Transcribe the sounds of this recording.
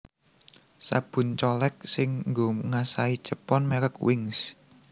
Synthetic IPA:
sa̰b̥ʊ̤nt͡ʃɔlɛk̚sɪŋŋɡoŋasai̥ʒ̥əpɔnmeɾəkwɪŋs

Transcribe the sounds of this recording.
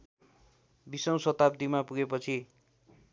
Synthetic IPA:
bisʌw̃sʌt̪ap̚d̪imapuɡepʌt͡sʰi

